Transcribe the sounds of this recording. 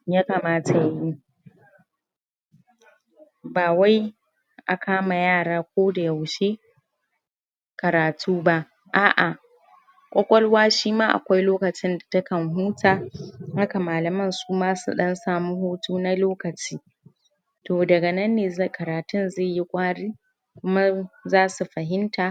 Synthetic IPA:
ja˦kaː˨maː˦ta˨ja˦ji˦ | baː˨wa˦j | ʔa˨kʰaː˦ma˨jaː˦˨ɽaː˦kʷoː˦da˨jɐ˨wʃe˦ | kɐ˨ɾaː˨tʰuː˦ba˦ʔ | ʔaː˨ʔa˨ | kʷʼɔ˦kʷʼɔ˦lwaː˦ʃiː˦maː˦ʔa̰˨kʷa˦jloː˦kɐ˨t͡ʃɪ˦nda˨tɐ˦kɐ˨ŋɦuː˦tʰaː˨ha˦ka˨maː˨lɐ˨mɐ˦˨nsuː˦maː˦sṵ˨ɗɐ˦nsaː˦˨mu˦hoː˦tuː˦na˦loː˦kɐ˨t͡ʃiː˦ | toː˨dɐ˨ɡɐ˨nɐ˦nːeː˨za˦˨kɐ˨ɾaː˨tʊ˦nza˦˨ji˦kʷʼaː˦ɽiː˦ | kʷʊ˦ma˦zaː˦su˨ɸɐ˨ɦɪ˦ntaː˨

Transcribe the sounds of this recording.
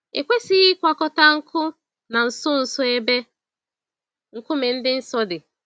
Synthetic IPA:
ḛ˨kʷe˦si˦ɣɪ˦kʷa˨kɔ˦ta˦ŋ̩˦kʰʊ˦ | na˨n̩˨sʊ˦n̩˨sʊ˦e˦be˦ | ŋ̩˨kʊ˦me˨n̩˦dɪ˦n̩˦sɔ˦dɪ˨

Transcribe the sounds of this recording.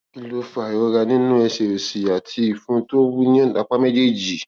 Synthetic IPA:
i˨lo˧fa˨jɔ˨˧˦ɾa˧nĩ˦nũ˦ɛ˧ʃe˨o˨si˨ja˨tʰi˧i˨fũ˦to˦wu˦nĩ˦˨da˨˧˦k͡pa˦mɛ˦d͡ʒe˦˨d͡ʒi˨

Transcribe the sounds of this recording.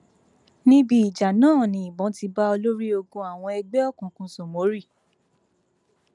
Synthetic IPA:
nĩ˦bi˦i˨d͡ʒa˨nãː˦˨nĩ˨˦i˨bɔ̃˨˦ti˧ba˦ɔ˧lo˦ɾi˦o˧ɡõ˧a˨w̃ɔ̃˧ɛ˧ɡ͡bɛ˦ɔ˦˨kũ˨kũ˧˦sɔ̃˨mo˨˦ɾi˦˨

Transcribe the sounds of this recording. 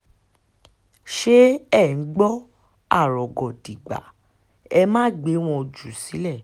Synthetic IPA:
ʃe˦ɛ˦˨n̩˨˦ɡ͡bɔ˦ | a˦˨ɾɔ˨ɡɔ˨di˨ɡ͡ba̰˨˦ | ɛ˧mãː˦ɡ͡be˨˦w̃ɔ̃˧o˧d͡ʒu˨si˨˦lɛ˦˨

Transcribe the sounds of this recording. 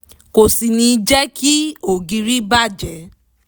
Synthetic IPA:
ko˨si˨nĩ˧d͡ʒɛ˦kʰi˦o˨ɡi˧ɾi˦ba˦˨d͡ʒɛ˨˦

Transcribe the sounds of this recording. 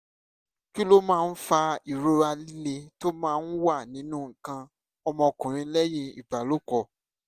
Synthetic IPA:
ki˦lo˦mãː˦˧n̩˦fa˧i˨ɾo˧ɾa˧li˦le˧to˦mãː˦˧˦n̩˦wa˦˨nĩ˨˦nũ˦˨ŋ̩˨kã˧ | ɔ˧mɔ̃˧kũ˨ɾ̃ĩ˧˦lɛ˦jĩ˧ḭ˨ba˨lo˦kɔ˧˨

